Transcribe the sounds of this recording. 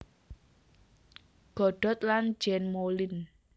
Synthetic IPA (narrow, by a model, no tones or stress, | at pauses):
ɡ̥ɔ̤ɖ̥ɔ̤t̪̚lan̥d͡ʒɛnmolɪn